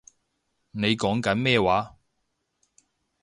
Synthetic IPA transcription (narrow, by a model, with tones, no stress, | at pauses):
ne˨˧jkɔː˨˥ŋkɐ˨˥nmɛː˥˧waː˨˥